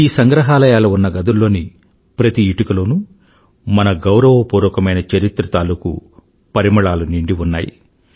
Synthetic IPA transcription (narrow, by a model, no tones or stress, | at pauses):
iːsɐŋɡɾɐɦaːlɐjaːlɐunːɐɡɐd̪ulːo̞ːni | pɾɐt̪iːʈɐkɐlo̞ːnu | mɐnɐɡɐwɾɐʋɐpuːɾɐkɐmɐjnɐt͡ʃɐɾit̪ɾɐt̪aːlukṵ | pɐɾimɐɭaːluniɳɖiunːaːjḭ